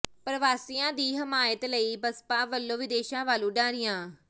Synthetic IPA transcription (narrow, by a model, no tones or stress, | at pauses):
pɾəʋaːsijãːd̪iːɦɪmaːjət̪ləiːbəspãːʋəlːõːʋɪd̪eːʃãːʋaːlũːɖãːɾɪjãː